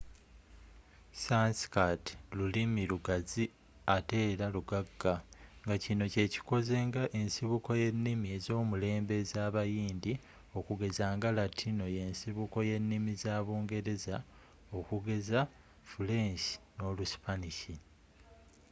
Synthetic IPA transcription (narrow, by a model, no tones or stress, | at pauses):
sanskatlulimiluɡazi | ate̞ːɾaluɡaɡːaŋɡacino̞ce̞ːci̥ko̞ze̞ŋɡaʔe̞nsiβuko̞je̞nːimie̞zo̞ːmule̞ːmbe̞zaːβajiːndi | o̞kuɡe̞zaːŋɡalatʰino̞je̞nsiβuko̞je̞nːimizaːβoːŋɡe̞ɾe̞za | o̞kuɡe̞za | fule̞nʃi̥no̞lusi̥paniʃi